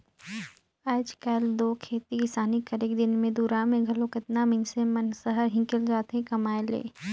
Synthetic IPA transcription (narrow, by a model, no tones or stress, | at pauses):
aːd͡ʒkɐld̪oːkʰeːt̪iɪsaːnikɐɾeːkd̪ɪnmẽd̪uːɾaːmẽɡʱɐlõkɪt̪namɪ̃nsemɐnsəɦəɾɦɪ̃ŋkəld͡ʒaːt̪ɦẽkɐmaːelḛː